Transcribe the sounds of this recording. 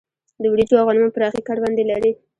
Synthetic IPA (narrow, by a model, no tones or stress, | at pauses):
d̪əwɽid͡ʒoavɣɑnmɑnpəɾɑxikɑɾbɑnd̪elaɾi